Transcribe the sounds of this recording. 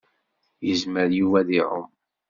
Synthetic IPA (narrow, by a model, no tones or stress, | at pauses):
jəzməɾjuvæðiʕʊ̰m